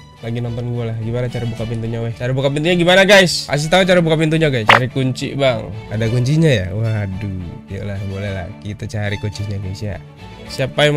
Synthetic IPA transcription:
laɡinɔnt̪ɔnɡualahɡimanat͡ʃaɾabukapint̪uɲawɛt͡ʃaɾabukap̬int̪uɲaɡimanaɡajska̰s̬it̪aut͡ʃaɾabukapint̪uɲaɡajst͡ʃa̰ɾikuɲt͡ʃḭʔbaŋadakuɲt͡ʃiɲajawaduja̰lahbolala̰hkit̪at͡ʃaɾikuɲt͡ʃiɲaɡajsja̰ | siapaj

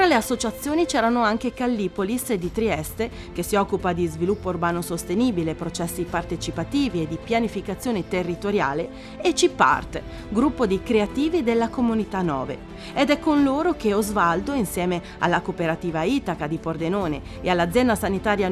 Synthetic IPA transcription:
t̪ɾaleasːot͡ʃat̪sːjoːnit͡ʃɛːɾanoaŋkekalːipolised̪it̪ɾiɛst̪e | k̟esːiɔkːupad̪izvilupːourbaːnosost̪eniːbilepɾot͡ʃɛsːipart̪et͡ʃipat̪iːvied̪ipjanifikat̪sːjoːnet̪erːit̪oɾja̰ːle | et͡ʃipːa̰rt̪ | ɡɾupːod̪ikɾeat̪iːvid̪elːakomunit̪anːɔ̰ːvḛ | ed̪ɛkːonloːɾok̟eɔzvald̪oinsjɛːme | a̰lːakopeɾat̪iːvait̪akad̪ipord̪enoːnḛ | ealːad̪zːjɛnd̪asanit̪aːɾja

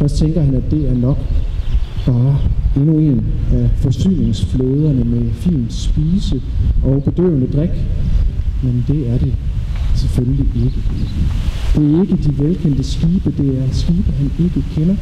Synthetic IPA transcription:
fɶsd̥̚t͡sʰeŋɡ̥ɐhænæd̥e̝æɐnɒ̽ɡ̥ | b̥ɑ̈ːe̝nue̝næfɒ̽sy̰ːne̝ŋsflo̝ːð̞ˠɐnəmefḭːnd̥sb̥iːsəʔɒ̽b̥e̝d̥ø̰ːnəd̥ʁaɡ̥ | mend̥e̝æɐɾ̥e̝seføləliʔe̝ɡ̥ə̥ | d̥e̝æɐe̝ɡ̥əd̥iʋelkʰen̰d̥əsɡ̥iːb̥əd̥e̝æɐsɡ̥iːb̥ɐɦæne̝ɡ̥əkʰenɐ

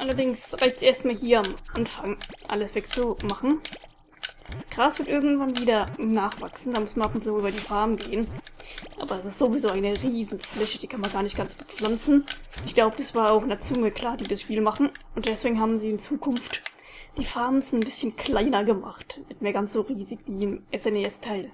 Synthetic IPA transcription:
ʔalɐdɪŋsʁaɪçtsʔeːɐstmaːlɦiːɐamʔanfaŋʔa̰ləsv̥ɛk̚t͡sumaχn̩ | asɡ̥ʁaːsv̥ɪɐtʔɪɐɡŋ̩tv̥anviːdɐnaːχv̥a̰ksn̩d̥aːmʊsmanʔapʊnt͡suːʔyːbɐdiːfaɐmɡeːənʔa̰ːbɐɛsɪstz̥ovizoːaɪnəʁiːzn̩flɛçəd̥iːkʰanmanɡaːɐnɪçt̚ɡ̥ant͡sb̥ə̥p͡flant͡sn̩ʔɪçɡ̥laʊbəd̥asv̥aːɐaʊxɪndɐt͡sʊŋəkʰl̥aːɐd̥iːdasʃpiːlmaχn̩ʔʊnt̚d̥ɛsv̥eːɡŋ̩ɦaːbm̩ziːɪnt͡suːkʰʊnft | d̥iːfaɐmn̩snbɪsçənkʰl̥aɪnɐɡəma̰χtmɪtmeːɐɡansz̥oːʁiːzɪçviːɪmʔɛsɛneɛstʰaɪl

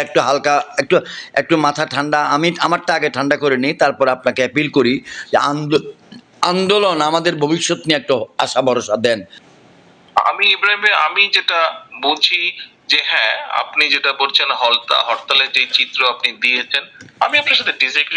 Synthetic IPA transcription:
ɛk̚ʈoɦalkaɛk̚ʈoɛk̚ʈomat̪ʰaʈʰaɳɖaamiamaɾʈaaɡeʈʰaɳɖakoɾenit̪aɾpɔɾapnakeɛpilkoɾid͡ʑeand̪o | and̪olonamad̪eɾbʱobiʃːot̪niɛk̚ʈoaʃabʱɔɾoʃad̪ɛn | a̰miipɾaimea̰mid͡ʑeʈabod͡ʑʰi | d͡ʑeɦɛ̃a̰pnid͡ʑeʈabolt͡ɕʰenɦɔlt̪a̰ɦɔʈt̪aled͡ʑejt͡ɕit̪ːɾoapnid̪iet͡ɕʰenamiapnaɾʃat̪ʰeɖisajkɾ

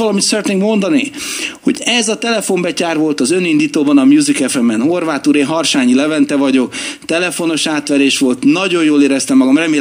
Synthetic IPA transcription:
ɒlɒmit̪sɛɾɛt̪neːŋkmo̞nd̪ɒniho̞̰ɟɛzɒt̪ɛlɛfo̞mbɛcaːrʋo̞lt̪ɒzø̞nind̪iːt̪oːbɒnɒmjuːzikɛfɛmːɛnho̞rvaːt̪uːɾeːɦɒrʃaːɲilɛvɛnt̪ɛvɒɟo̞kt̪ɛlɛfo̞no̞ʃaːt̪ʋɛɾeːʃʋo̞lt̪nɒɟo̞joːleːɾɛst̪ɛmːɒɡɒmrɛmeː

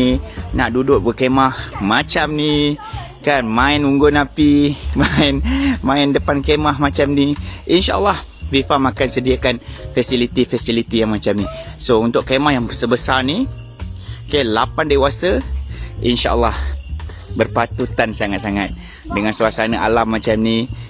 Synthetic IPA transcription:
naʔdudʊʔ̚bəkemahmat͡ʃamni | kanmãɪnuŋɡʊnapimaɪnmãɪndəpankemaɦmãt͡ʃamniʔinʃa̰ʔə̰lːah | fifamakansədiakanfɛsilit̪ifɛsilit̪ijaŋmat͡ʃamnisount̪ʊʔkemahjaŋbəsəbəsarni | kelapandewasə | ḭnʃa̰ʔə̰lːah | bərpat̪ut̪ansaŋat̪̚saŋat̪̚ | dəŋansuasanəʔa̰lamːat͡ʃamni

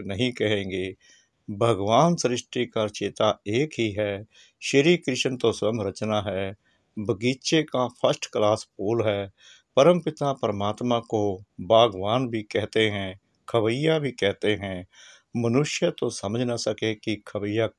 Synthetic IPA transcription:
nəɦĩkəɦẽːŋɡeː | bʱəɡʋaːnsɾɪʃʈikaɾt͡ʃeːt̪aeːkɦiɦɛː | ʃəɾiːkɾɪʃənt̪oswəmɾət͡ʃnaɦɛː | bʱəɡiːtʃekapʰəsʈklaːspoːlɦɛː | pəɾə̃mpɪt̪apəɾəmaːt̪mãkobaːɡʋaːnbʱikɛɦt̪eɦɛ̃ | kʰəʋəjabʱikɛɦt̪eɦɛ̃ | mənʊʃjət̪osəməd͡ʒʱnasəkekikʰəʋəja

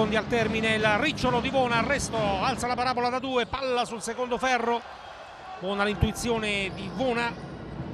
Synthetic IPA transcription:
ond̪ialt̪ɛrminelrːit͡ʃːolod̪ivɔːnaːrːɛst̪oalt̪salapaɾaːbolad̪ad̪uːepːalːasulsekond̪ofɛrːo | vɔːnalint̪uit̪sːjoːned̪ivɔːna

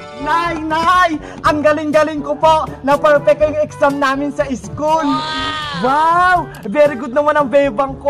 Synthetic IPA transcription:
najnaj | ʔɐŋɡɐlɪŋɡɐlɪŋkopoʔnɐpɛɹpɛkːɐjʊŋɛksamnaːmɪnsɐʔɪskulwaw | bɛɾɪɡʊd̪̚nɐmanɐŋbɛːbɐŋko

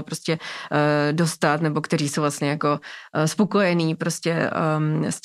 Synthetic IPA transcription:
pɾo̞scɛ | do̞st̪at̪nɛbo̞kt̪ɛɾiːso̞wvlast̪ɲɛjako̞spo̞ko̞jɛniːpɾoscɛ | s

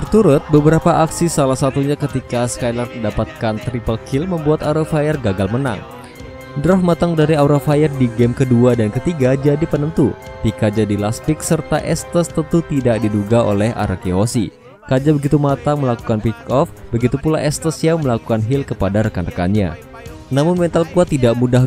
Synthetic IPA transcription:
t̪ərt̪uɾʊt̪̚bəbəɾapaʔaksisalahsat̪uɲakət̪ikaskajlarədapat̪̚kant̪ɾipəlkʰilməmbuat̪auɾafajərɡaɡalməna̰ŋ | dɾɔfmat̪aŋdaɾiauɾafajərdiɡɛmkəduadankət̪iɡad͡ʒadipənənt̪upikad͡ʒadilasp̪ɪksərt̪aʔɛst̪əst̪ənt̪ut̪idak̚diduɡao̰lɛɦʔa̰ɾakiɦosḭ | kad͡ʒabəɡit̪umat̪aŋməlaku̥kanpikɔfbəɡit̪upulaʔɛst̪əsjaməlakukanɦilkəpadaɾəkanrəka̰nɲa̰ | namʊnmɛnt̪alkuat̪idaʔmuda

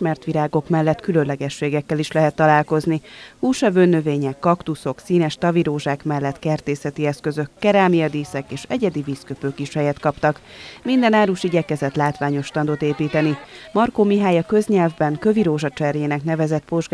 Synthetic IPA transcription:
ʃmɛrt̪ʋiɾaːɡo̞kmɛlːɛt̪kylønlɛɡɛʃːeːɡɛkːɛliʃlɛɦɛt̪ːɒlaːlko̞znihuːʃɒvøːnːøveːɲɛkːɒkt̪uso̞ksiːnɛʃt̪ɒviɾoːʒaːkmɛlːɛt̪kɛrt̪eːsɛt̪iɛskøzø̞kːɛɾaːlmijɒd̪iːsɛkeːʃɛ̰ɟɛd̪iviːskøpøːkiʃhɛjɛt̪kɒpt̪ɒkmind̪ɛnaːɾuʃiɟɛkɛzɛt̪laːt̪ʋaːɲo̞ʃt̪ɒnd̪o̞t̪eːpiːt̪ɛnimɒrkomiɦaːjɒkø̞zɲɛlvbɛŋkø̞viɾoːʒɒt͡ʃɛrjeːnɛkn̪ɛvɛzɛt̪̚po̞ʒɡ

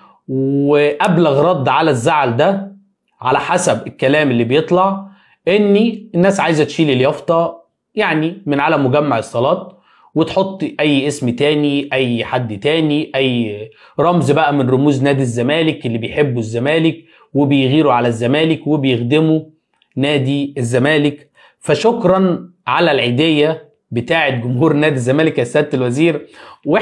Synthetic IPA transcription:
weʔæblæɣɾˤɑd̪ˤːʕalæzːaʕld̪æ | ʕalæħasæbelkːælæːmelːiːbejet̪ˤlɑʕ | ʔenːienːæːsʕajzæt̪ʃiːliljɑft̪ˤɑ | jaʕnimeɪnʕalæmoɡæmːaʕesˤːɑlɑːt̪̚ˤ | wet̪ħot̪ˤːʔæjːʔesmt̪æːniʔæjːħad̪ːt̪æːniʔæjː | ɾˤɑmzbæʔæmɪnɾˤomuːznæːd̪izːæmæːlɪkʔelːiːbejħebːuzːæmæːlɪk | webejɣiːɾuʕalæzːæmæːlɪkwebejexd̪ɪmu | næːd̪iezːæmæːlɪk | fæʃokɾˤɑnʕalælʕiːd̪ejːæ | bet̪aːʕet̪̚ɡʊmhuːɾnæːd̪izːæmæːlɪkjasːæːd̪̚t̪ːelwæziːɾwe

